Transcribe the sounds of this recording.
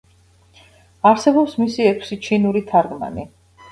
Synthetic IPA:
aɾsɛbɔpsmisiɛkʰsit͡ʃʰinuɾit̪ʰaɾɡma̰ni

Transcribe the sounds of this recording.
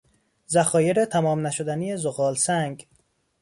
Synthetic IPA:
zæxɒːjeɾet̪ʰæmɒːmnæʃod̪ænijezoɣɒːlsæŋɡ

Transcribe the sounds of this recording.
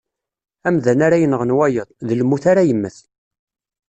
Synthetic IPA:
æmðænaɾajənəʁənwæjəðˤðəlmːuθaɾajəmːəθ

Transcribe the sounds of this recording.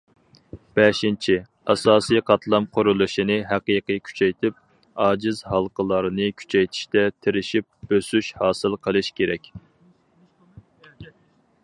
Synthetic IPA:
b̥ɛʃint͡ʃʰi | ɑ̰sɑːsijqʰɑt̪ʰlˠɑmqʰʊɾulˠɨʃinɨɦæqijqijkʲʰy̥t͡ʃʰɛjt̪ʰɪp̚ | ɑːd͡ʒɪzɦɑlˠqʰəlˠɑɾɨnɨkʲʰy̥t͡ʃʰɛjt̪ʰi̥ʃt̪ɛt̪ʰɪɾɪʃip̚b̥øsyʃhɑːsɨlˠqʰəlˠɨʃkʲʰeɾɛkʲ

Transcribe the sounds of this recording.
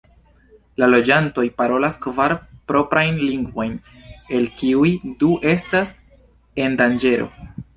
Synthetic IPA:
lalo̞d͡ʒanto̞jpaɾo̞laskvaɾpɾo̞pɾajnliŋɡvo̞jn | e̞lkiujduʔe̞stas | e̞ndand͡ʒe̞ɾo̞̰

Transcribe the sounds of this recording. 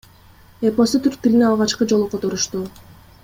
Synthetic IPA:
epo̞sut̪ʰyɾk̚t̪ilʲineɑlˠʁɑt͡ʃqɯd͡ʒo̞lˠuqʰo̞t̪o̞ɾuʃt̪u

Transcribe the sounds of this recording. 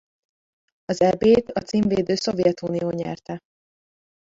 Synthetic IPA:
ɒzɛbeːt̪ɒt̪siːɱveːd̪øːso̞vjɛt̪uːnijoːɲɛ̰rt̪ɛ

